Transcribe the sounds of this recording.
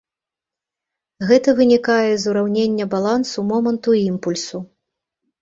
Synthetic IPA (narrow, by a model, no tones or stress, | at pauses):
ɣɛt̪ɐvɨnʲikajɛzuɾawnʲenʲːɐbalˠansumɔmɐnt̪uimpulʲsu